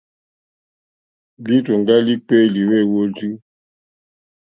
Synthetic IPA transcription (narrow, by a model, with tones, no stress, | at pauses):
li˦tu˨ŋɡa˦li˦k͡pe˦˨li˨we˦˨wo˦d͡ʒu˦